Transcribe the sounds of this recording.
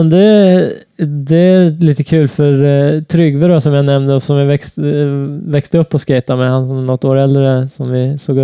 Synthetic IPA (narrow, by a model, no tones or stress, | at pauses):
nd̪ɛ | d̪ɛæɾliːt̪əkʰʉ̟ːlfœɾt̪ʰɾʏɡvəɾasɔmjanɛmd̪əɔsɔmjɪvɛks | vɛkst̪əɵpːɔskɛɪt̪amɛhansɔmnɔt̪ːoːɾɛld̪ɾəsɔmvɪsoːɡə